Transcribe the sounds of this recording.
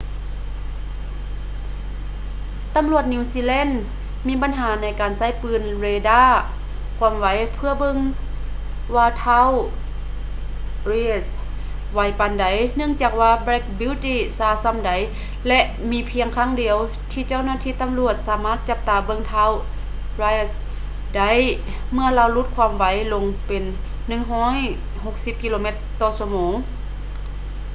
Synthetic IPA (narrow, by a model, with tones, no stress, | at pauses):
t̪a˨˦mlu˧˩ət̪̚niː˧siː˧˨lɛ˧˥˨n | miː˧˥ba˨˦nɦaː˨˦na˧˩jkaː˨˩nsa˧˥˩jpɯː˧˩nɾeː˧daː˧˥˩ | kʰu˧˥˨mʋa˨˦jpʰɯ˧əbɤ˧˥˨ŋ | waː˧t̪ʰa˧˥˨w | ɾiː˧˩t̪̚ | wa˨˧˦jpa˨nda˨˦jnɯ˧ə˨ŋt͡ɕaː˨˩k̚waː˧bɾɛ˧˥k̚bi˧˥˨wt̪iː˧˥saː˧˩sa˧˥˨mda˨j | lɛ˧ʔ | miː˧pʰi˧əŋkʰaː˧˥˨ŋdi˨˧əw | t̪ʰiː˧˩t͡ɕa˧˥˨wnaː˧t̪ʰiː˧˥˨t̪a˨mlu˧˩ət̪̚saː˨˦maː˧˥˩t̪̚t͡ɕa˧p̚t̪aː˨˩bɤ˧˨ŋt̪ʰaː˧˥˨w | ɾaː˧js | da˨˦j | mɯ˧ɐlaː˧˨wlu˧˥t̪̚kʰwaː˧˥˨mʋa˨˦jlo˧ŋpe˨nː | ɯ˧˩ŋɦɔː˧˥˨j | ho˧˥k̚si˧˦p̚ki˧loː˧me˧˦t̪ːɔː˧˩su˧˩ɐmoː˨˧˦ŋ